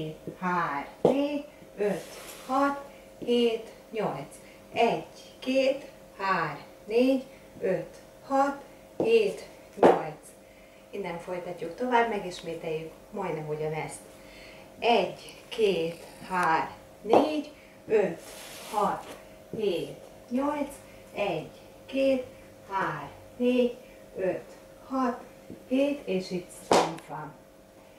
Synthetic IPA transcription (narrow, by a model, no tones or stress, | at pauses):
haːrneːɟ | øt̪hɒt̪ | heːt̪ | ɲo̞lt̪s | ɛɟ | keːt̪ | haːr | neːɟ | øt̪ | hɒt̪ | heːt̪ | ɲo̞lt̪s | inːɛɱfo̞jt̪ɒcːukt̪o̞vaːbmɛɡiʃmeːt̪ɛjːyk | mɒjd̪nɛmɦo̞ɟɒnɛst̪ | ɛɟkʰeːt̪haːr | neːɟ | øt̪hɒt̪ | heːt̪ | ɲo̞lt̪s | ɛɟ | keːt̪ | haːr | neːɟ | øt̪ | hɒt̪ | heːt̪eːʃit̪ssɛnt̪ɒn